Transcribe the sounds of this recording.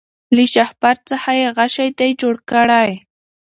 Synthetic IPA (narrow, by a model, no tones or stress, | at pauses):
lɪʃɑχpaɾt͡sahajɢɑʃajt̪ajt͡ʃʊɾkaɾaj